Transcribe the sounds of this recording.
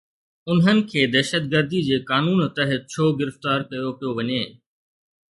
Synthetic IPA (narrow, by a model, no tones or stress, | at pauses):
ʊnɦənɪ̆kʰeːd̪ɛːʃət̪̚ɡəɾd̪id͡ʑeːkaːnuːnt̪əɦət̪̚t͡ɕʰoːɡɪɾəft̪aːɾkɐjopɪjoʋɐɲeː